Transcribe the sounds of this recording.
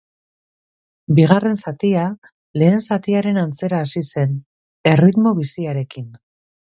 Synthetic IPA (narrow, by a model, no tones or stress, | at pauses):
biɣ̞are̞nsat̪ia | le̞ːnsat̪iaɾe̞nant͡se̞ɾaːsise̞n | e̞rit̪mo̞β̞isiaɾe̞kin